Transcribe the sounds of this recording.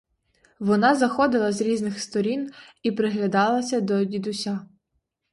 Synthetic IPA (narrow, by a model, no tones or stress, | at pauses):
ʋɔnɑzɐxɔd̪ɪlˠɐzɾʲiznɪxst̪ɔɾʲinipɾɪɦlʲɐd̪ɑlˠɐsʲɐd̪ɔd̪ʲid̪ʊsʲa